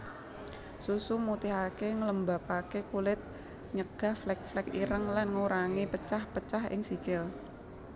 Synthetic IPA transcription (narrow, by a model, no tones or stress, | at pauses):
susumut̪ɪɦakeŋələmbapakekulɪt̪̚ | ɲəɡ̥a̤hflɛk̚flɛkḭɾəŋlanŋuɾaŋipət͡ʃahpət͡ʃaɦɪ̰ŋsikɪl